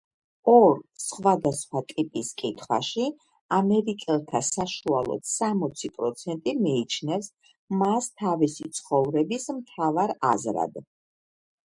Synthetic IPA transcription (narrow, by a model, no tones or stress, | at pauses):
ɔɾsχwad̪asχwat̪ʼipʼiskʼit̪ʰχwa̰ʃi | amɛɾikʼɛlˠt̪ʰasaʃualˠɔ̰t̪samɔt̪sʰipʼɾɔt̪sʰɛnt̪ʼimiːt͡ʃʰnɛfs | mast̪ʰavisit̪sʰχɔvɾɛbismt̪ʰavaɾa̰zɾa̰d̪